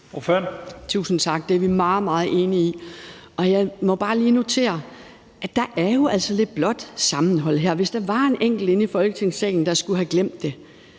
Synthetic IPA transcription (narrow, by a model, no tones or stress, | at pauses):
oføɐnt͡sʰṵːsn̩t͡sʰɑ̈ɡ̥̚d̥eæɐʋimɑ̈ːð̩ˠmɑ̈ːð̞̩ˠʔe̝ːniiʔɒ̽jɑ̈ɪmɒ̽b̥ɑ̈ːliːno̝t͡sʰe̝̰ːɐ | æd̥ɑ̈ʔæɐjo̝ʔæl̰sɒ̽le̝d̥̚b̥lɒ̽d̥sɑ̈mn̩ɦɒ̽l̰ɦæɐ̰ʋe̝sd̥ɑ̈ʋɑ̈enʔeŋ̰ɡ̥l̩d̥e̝nifɒ̽lɡ̥ət͡sʰe̝ŋsɛ̰ːɪn̩d̥ɑ̈sɡ̥uɦæɡ̥lem̰d̥ːe̝